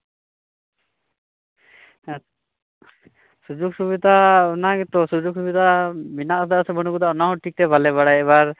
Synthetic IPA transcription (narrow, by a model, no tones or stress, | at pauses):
sud͡ʒuk̚subid̪aɔnaɡɛt̪ɔsud͡ʒuk̚subid̪aminaʔsd̪asɛbəɽ̃uɡud̪aʔɔnaɦɔ̃ʈʰik̚ʈɛbalɛβaɽajɛβaɾ